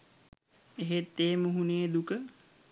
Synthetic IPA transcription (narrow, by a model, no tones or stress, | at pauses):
eɦet̪ːeːmuɦuneːd̪ukə